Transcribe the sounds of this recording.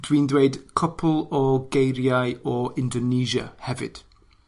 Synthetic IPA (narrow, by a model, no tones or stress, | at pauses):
d̥wiːndweɨd̥kʰɔpʰəlˠɔɡejɾjajɔɪ̃ndɔniːʒə̰hɛvɪ̰d̥